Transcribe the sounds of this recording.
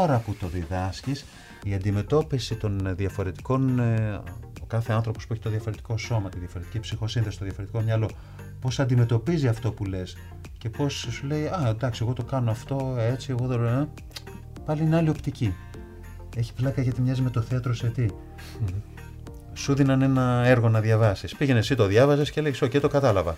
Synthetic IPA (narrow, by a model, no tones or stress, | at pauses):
oɾɐput̪o̞ðiðɐscis | iɐnd̪ime̞t̪o̞pisit̪o̞nðjɐfo̞ɾe̞t̪i̥ko̞n | okɐθe̞ɐnθɾo̞po̞spuçit̪oðjɐfo̞ɾe̞t̪i̥ko̞so̞mɐt̪inðjɐfo̞ɾet̪icipsixo̞sinθest̪oðjɐfo̞ɾe̞t̪i̥ko̞mɲɐlo̞ | po̞sɐnd̪ime̞t̪o̞piziɐft̪o̞pule̞s | ce̞po̞ssule̞iɐnd̪ɐksieɣo̞t̪o̞kɐno̞ɐft̪o̞e̞t͡sie̞ɣo̞ðolo | pɐlineɐlio̞pt̪ici | e̞çi̥plɐkɐʝɐt̪imɲɐzimet̪o̞θeɐt̪ɾoset̪i | suðinɐne̞nɐe̞ɾɣo̞nɐðʝɐvɐsispiʝe̞nesit̪o̞ðʝɐvɐzesce̞lejsocet̪o̞kɐt̪ɐlɐvɐ